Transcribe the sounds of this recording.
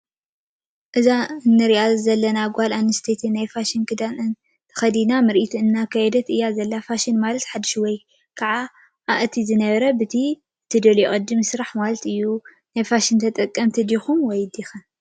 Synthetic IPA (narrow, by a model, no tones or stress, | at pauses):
ʔɨzaɨnːɨɾiʔazɐlːɐnaɡʷalanɨst̪ʰet̪ʰinːajfaʃinkʰɨd̪anɨn | t̪ʰɐ̥xɐd̪inamɨɾʔit̪ʰuɨnːakʰajɛd̪ɐt̪ɨjːazɐlːafaʃinmalɐt̪ħad̪ɨʃwɔj | kʰaʕa | ʔaʔɨt̪ʰizɨnɐβɐɾɐbɨt̪ʰi | t̪ʰɨd̪ɐljɛʔʼɐd̪ːɨmsɨɾaħmalɐt̪ɨjːu | najfaʃint̪ʰɐt̪ʼɐkʼːɐmt̪ʰɨd̪ixumwɔjɨd̪ixɨn